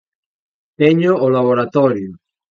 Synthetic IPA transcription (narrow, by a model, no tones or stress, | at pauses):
t̪eɲoolaβoɾat̪ɔɾjo